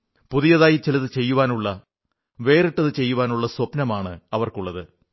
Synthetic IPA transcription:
puðijɐðaːjit͡ɕelɐðɨt͡ɕe̞jːuʋaːnuɭːɐ | ʋe̞ːriʈːɐðɨt͡ɕe̞jːuʋaːnuɭːɐswopnɐmaːɳɨɐʋɐrkuɭːɐðɨ

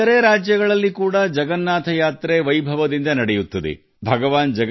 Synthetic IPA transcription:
ɐɾeːɾaːd͡ʒjɐɡɐɭɐlːikuːɽɐd͡ʒɐɡɐnːaːt̪ʰɐjaːt̪ɾe̞ʋɐjbʱɐʋɐd̪ind̪ɐnɐɽɛjut̪ːɐd̪ḛ | bʱɐɡɐʋaːnd͡ʒɐ

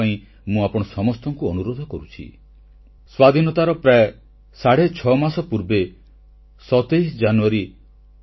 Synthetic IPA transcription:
aĩ | mũapɔɽ̃ɔsɔmɔst̪ɔŋkuɔnuɾod̪ʱɔkɔɾut͡ʃʰḭ | swad̪ʱinɔt̪aɾɔpɾae | saɽ̤et͡ʃʰɔmasɔpuɾbe | sɔt̪ejsd͡ʒanuaɾi

